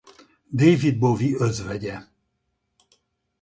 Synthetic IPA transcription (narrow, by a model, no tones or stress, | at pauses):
d̪eːjvid̪̚boviøzvɛɟɛ